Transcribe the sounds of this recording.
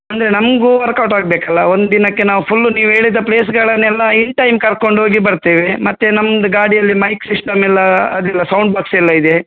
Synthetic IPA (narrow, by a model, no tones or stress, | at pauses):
ɐnd̪ɐɾe̞nɐmɐɡuʋɐɾkɐwʈaːɡ̚beːkɐlːɐ̰o̞nd̪ud̪inɐkːe̞naːʋupʰulːuniːʋɦe̞ːɭid̪ːɐpleːs̬ɡɐɭɐnːɛlːɐiɳʈɐjmkɐɾko̞ɳɖɦoːɡibɐɾt̪eːʋemɐt̪ːenɐmːɐd̪ɐɡaːɽijɐlːimɐjksisʈɐmɛlːɐɐd̪ɛlːɐsɐwɳɖbaːksɛlːɐid̪e